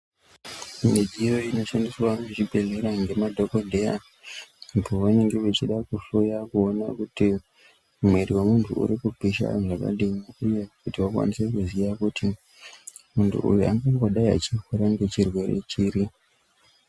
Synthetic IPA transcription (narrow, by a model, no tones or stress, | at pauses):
meɗiro̞ino̞ʃandiswanet͡ʃibʱe̞ɮe̞ɾaŋɡe̞madʱo̞ko̞dʱea̰ː | pʰo̞ʋane̞ŋɡe̞ʋet͡ʃiɗakufujakuo̞na̰kuti | mwe̞riwemuntʰṵṵɾikubʱiʃa̰ʐaka̰ɗimiuje̞kutiwakwa̰nise̞kuziʋakuti | muntʰṵʔṵjua̰ŋɡawaɗaia̰t͡ʃixuɾaŋɡe̞t͡ʃirwe̞re̞̰t͡ʃiɾi